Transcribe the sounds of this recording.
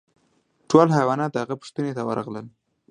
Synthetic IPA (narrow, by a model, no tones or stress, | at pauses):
ʈolɦajwɑnɑt̪̚d̪əhaɣapʊ̥ʂt̪ənet̪awə̰ɾɑ̰ɣləl